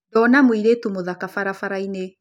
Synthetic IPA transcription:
dɔnamwiɾetumoðakafaɾafaɾaine

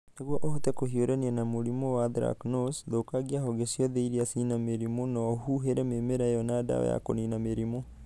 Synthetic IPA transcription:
neɣwɔʔohotɛkohioɾɛniɛnamoɾimowaðɾa̰knosðokaɡiaɦɔɡesiɔðeiɾiasinameɾimonɔɦuɦeɾɛmemeɾajɔnada̰ɔ̰ja̰ko̰ninameɾimo

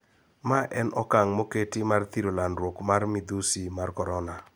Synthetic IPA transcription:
maʔɛnɔkaŋmoketimart̪iɾolandɾwokmarmid̪usimarkɔɾɔna

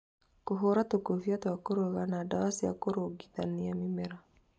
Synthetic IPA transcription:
koɦoɾatokovjatwakoɾoɣanadawasia̰koɾoɡit̪aniamimɛɾa

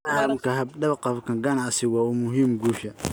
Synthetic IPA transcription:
ʔaːlɐmkʰɐɦɐbɖɐβqɑbkʰɐɡɐnɑʕsɪwɑːʊmʊɦiːmɡuːʃɐ

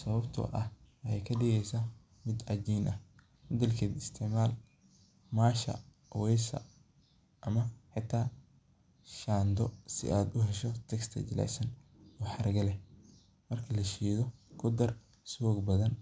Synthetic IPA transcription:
sɐβɐbt̪ʰɔ̰ʔɐhjɛjkʰɐɖɪɣɛjsaː | mɪd̪ʕɑd͡ʒiːnʔɐh | mɐd̪ɛlkʰɛːd̪ɪst̪ʰɛʕmaːl | maːʃɐ̰ | wɛjsɐ̰ | ʔɐmɐħɪt̪ʰːaː | ʃaːnd̪ɔsɪ̰ʔaːd̪ʊɦɛʃɔt̪ʰɛkst̪ʰɐ̰t͡ʃɪlɛ̰sɐn | ɔːħɑrɡɐlɛ | mɐrkʰɐlɐʃiːðɔkʰʊd̪ɐr | swɔːɡbɐðɐn

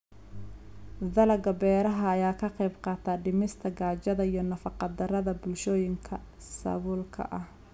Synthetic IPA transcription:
d̪ɐlɐɡɐbɛːɾɐɦɐːjaːkʰɐqɑjbqɑːt̪ʰaːɖɪmɪst̪ʰɐɡaːt͡ʃɐðɐijɞnɐfɑqɑd̪ɐrɐðɐbʊlʃɔːjɪŋkʰɐ | sɐ̰βʊːlkʰɐ̰ʔɐh

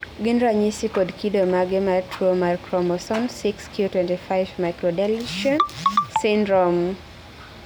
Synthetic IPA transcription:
ɡinɾaɲisikɔdkidomaɡɪmatʰuomaɾkɾɔmɔsɔnsikskjutwɛ̃ntifaɪvmajkɾɔdɛlʃɔnsɪndɾɔm

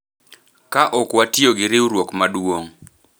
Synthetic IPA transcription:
kaʔɔkwatjoɡɪɾɪuɾwokmadwoŋ

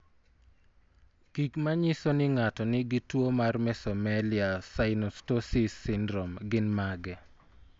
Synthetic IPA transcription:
kikmaɲɪsɔnɪŋatɔnɪɡɪtwomarmɛsɔmalɪasaɪnostosisːɪndɾomɡɪnmaɡɛ

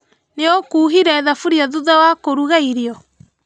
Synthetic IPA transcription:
neokuːɦiɾɛːðafuɾiaðuðawakoɾuɣaiɾiɔ

